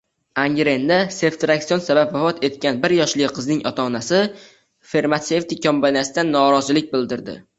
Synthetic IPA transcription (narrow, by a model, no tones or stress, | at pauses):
aŋɡʲɾe̞nd̪ase̞ft̪ɾaksijonsabapvafɒt̪ʰe̞t̪̚kʲanbɪɾjɒʃlɪqʰɨznɪŋʔɒ̰t̪ʰaːnasɪ | fe̞ɾmat̪se̞ft̪ɪkʲʰːombaniasɪd̪anːɒɾɒzɪlɪk̚ʲbɪld̪ɪɾd̪ɪ̰